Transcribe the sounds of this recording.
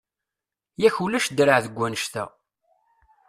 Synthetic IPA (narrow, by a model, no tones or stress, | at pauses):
jæçulæʃd̪ɾəʕðəɡʷːænəʃt̪æ̰